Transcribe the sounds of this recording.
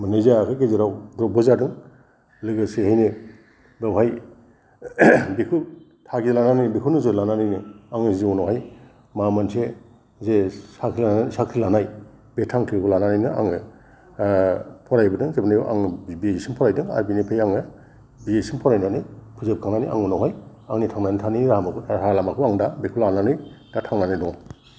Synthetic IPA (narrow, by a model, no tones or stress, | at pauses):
mɯnɯjzakʰɯkejzɯɾawdɾɔbɔzadɯŋ | lɯɡasehajnɯ | dawɦaj | bikʰu | tʰaɡizlananijbikʰunɯzɯlananɯjnɯaŋɯziɔnɔwɦaj | mamansʰe | zesakʰiasakʰɾilanaj | betʰaŋkʰikʰulananɯjnɯa̰ŋɯ | pʰɔɾajbɯdɯŋzebɯnajuʔa̰ŋbiesinpʰɔɾajdɯŋa̰ɾbinipʰajaŋɯ | biesinpʰɔɾajnanɯjpʰuzep̚kʰaŋnaniʔa̰ŋunɔɦaj | aŋnitʰaŋnajnitʰaniniɾamakʰɾalamakʰuaŋdabekʰulananɯjdatʰaŋnanidɔŋ